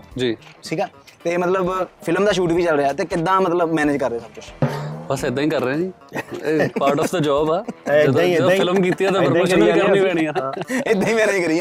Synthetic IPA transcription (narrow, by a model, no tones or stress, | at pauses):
d͡ʒiːʈʰiːkaː | t̪eːmət̪ləbpʰɪləmd̪aːʃ̬uːʈʋiːt͡ʃəlɾeaːt̪eːkɪd̪ːãːmət̪ləbmɛːned͡ʒkəɾːaːsəb̚kʊt͡ʃbəsɪd̪ãːiːkəɾːẽːniː | eːpaːɾʈɔːfd̪aːd͡ʒɔːbaːd͡ʒəd̪d̪ːfʰɪləmkiːt̪iaːt̪eːbəɾoːʃĩkənĩːʋɛːɽ̃iːãːɪd̪ãːĩːmɛ̃ːnːd͡ʒkəɾijãː